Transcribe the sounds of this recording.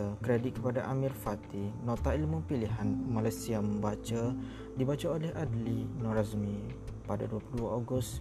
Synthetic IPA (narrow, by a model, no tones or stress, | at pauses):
əkɾedɪt̪̚kəpadaʔamĩrfat̪inɔt̪aʔilmupiliɦanmalajsiaməmbat͡ʃa | dibat͡ʃaolɛɦadlinɔ̃ɾasmipadaduapuluduaoɡʊs